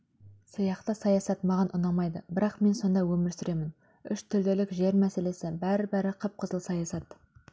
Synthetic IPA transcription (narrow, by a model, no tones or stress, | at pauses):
sɑjɑqt̪əsɑjɑsɑt̪mɑʁɑnʔʊ̰nɑmɑjd̪əbɪɾɑqme̞nso̞nd̪ɑwɵmɪɾsʏɾe̞mɪn | ʏʃt̪ʰʏɾd̪e̞lɪkʒe̞ɾmæse̞le̞sɪbæɾɪbæɾɪqʰəp̚qʰəzəlˠsɑjɑsɑt̪